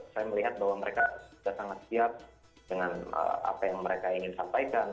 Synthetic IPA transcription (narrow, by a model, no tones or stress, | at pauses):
sajaməliɦat̪̚bahwaməɾekaudasaŋat̪̚siat̚ | dəŋanə̰a̰pajaŋməɾekaiŋɪnsampajkan